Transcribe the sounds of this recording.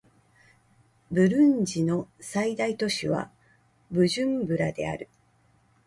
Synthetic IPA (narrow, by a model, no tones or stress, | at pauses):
bɯ̟ɾɯ̃ɲd͡ʑino̞said̪ait̪o̞ɕiβ̞a̰ | bɯ̟ʑɨ̃mbɯ̟ɾad̪e̞̰a̰ɾɯ̟